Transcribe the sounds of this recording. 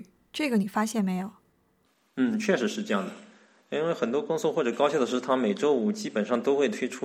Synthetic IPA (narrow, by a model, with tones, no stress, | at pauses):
ʈ͡ʂɤ˥˩ɡə˩ni˨˩fa˥ɕjɛ˥˩nme˧˥ɪjo˨˩ʊ | n̩˥˩t͡ɕʰɥɛ˥˩ʂɻ̩˧˥ʂɻ̩˥˧ʈ͡ʂɤ˥˧jɑ˥˩ŋd̪ə˩ | i˥nwe˥˩ɪxə˨˩nt̪wɔ˥kʊ˥ŋsɔ˥xwɔ˥˩ʈ͡ʂɤ˨˩kɑ˥ʊɕjɑ˥˩ʊd̪ə˨˩ʂɻ̩˥˩t̪ʰa˥me˨˩ɪʈ͡ʂo˥ʊu˨˩t͡ɕi˥pə˨˩nʂɑ˥˩ŋt̪o˥ʊxwe˥˩ɪt̪ʰwe˥ɪʈ͡ʂʰu˥